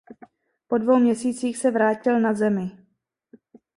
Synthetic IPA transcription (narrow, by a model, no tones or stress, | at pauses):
po̞dvo̞wmɲɛsiːt͡siːxsɛvɾaːcɪlnazɛmɪ